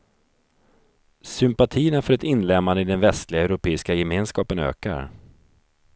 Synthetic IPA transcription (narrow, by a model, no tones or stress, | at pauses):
sʏmpat̪ʰiːənafœɾɛt̪ɪnːlɛmːanəɪd̪ɛnvɛst̪lɪɡaɛʉɾʊpʰeːɪskajɛmeːnskɑːpənø̰ːka̰ɾ